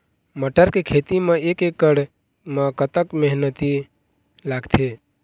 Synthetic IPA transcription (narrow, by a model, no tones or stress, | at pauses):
məʈəɾkekʰet̪imẽekekːəɽ | mə̃kət̪əkmeɦnət̪i | laːɡt̪ʰe